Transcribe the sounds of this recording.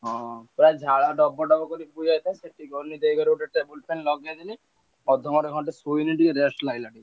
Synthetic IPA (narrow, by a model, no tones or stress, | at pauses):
ɦɔ̃pɾajd͡ʒʱaɭaɖɔbɔɖɔbɔkɔɾipud͡ʒajt̪ʰaĩseʈiɡʱɔɾnid̪ejɡɔɾuʈet̪ebulpenlɔɡjad̪ini | ɔd̪ʱːɔmɔɖeɡʱɔɳʈesujniʈikeɾesʈlaɡilaʈi